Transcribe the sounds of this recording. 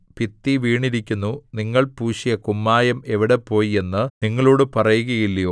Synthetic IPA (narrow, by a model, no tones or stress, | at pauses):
pit̪ːiʋiːɳiɾikʲːunːuniŋːɐɭpuːʂijɐkumːaːjɐme̞ʋiɽepːo̞ːjie̞nːɨniŋːɐɭoːɽɨpɐrɐjuɣɐjilːɐjoː